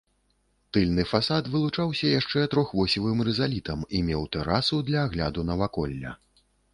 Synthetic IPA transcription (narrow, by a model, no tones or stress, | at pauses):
t̪ɨlʲnɨfasat̪vɨlˠut͡ʂawsʲɐjaʂt͡ʂɛt̪ɾɔxvɔsʲivɨmrɛzalʲit̪ɐmimʲɛwt̪ɛɾasud̪lʲɐːɣlʲa̰d̪unɐvakɔlʲːɐ̰